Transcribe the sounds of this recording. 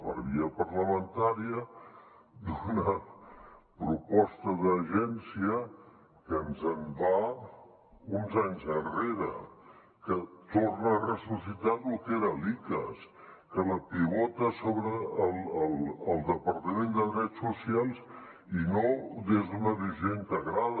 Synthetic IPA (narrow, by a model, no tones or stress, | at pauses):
ə̰βiəpərləmənt̪aɾiə | d̪unəə | pɾupɔst̪əðəʒɛnsiə | kənzəmba | unzaɲzənreɾə̰ | kət̪ornəːrəsusit̪alukeɾəlikə̰s | kələpiβɔt̪əsoβɾəːlˠəlˠəlˠd̪əpəɾt̪əmend̪əðɾɛtsːusialˠz | inod̪ezðunəβizjoŋk̪əɣɾað